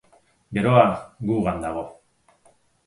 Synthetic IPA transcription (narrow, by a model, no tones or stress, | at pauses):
ɡe̞ɾo̞aɡuɣand̪aɣ̞o̞